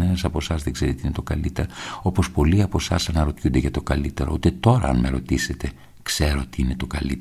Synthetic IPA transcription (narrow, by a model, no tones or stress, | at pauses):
enɐsɐpo̞sɐzðeɡze̞ɾit̪iine̞t̪o̞kɐlit̪e̞ɾoo̞po̞spo̞liɐpo̞sɐsɐnɐɾo̞t̪çund̪eʝɐt̪o̞kɐlit̪e̞ɾo̞̰ut̪et̪o̞ɾɐ̰ɐ̰nme̞ɾo̞t̪ise̞t̪e̞ | kse̞ɾo̞t̪iine̞t̪o̞kɐlit̪